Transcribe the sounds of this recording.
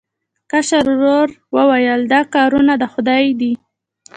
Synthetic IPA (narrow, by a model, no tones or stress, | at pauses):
kaʃaɾɾoɾwəwajəld̪ɑkɑɾunad̪əxʊd̪ɑjd̪i